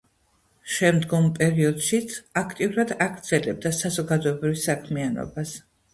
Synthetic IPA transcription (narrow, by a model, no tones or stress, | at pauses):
ʃɛmd̪ɡɔmpʼɛɾiɔd̪ʃit̪sʰakʰt̪ʼiuɾad̪aɡɾd̪z̥ɛlɛb̚d̪asazɔɡad̪ɔɛbɾifsakʰmianɔ̰bas